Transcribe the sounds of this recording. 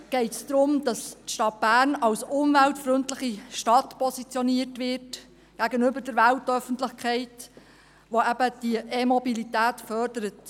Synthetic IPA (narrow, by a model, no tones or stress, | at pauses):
ɡ̥ɛɪtsd̥̪ɾʊmd̥ɑstʃtɑt̚b̥æːɾnɑwsʊmvæltfɾʏntlɪχiʃtɑtpʰɔsit͡sjɔniəɾtʋɪrt | ɡ̥æɡənʏbəɾd̥əɾʋæltœfəntlɪχkχɛɪt | ʋoæbəd̥iʔemɔbilitæːtfœrdəɾət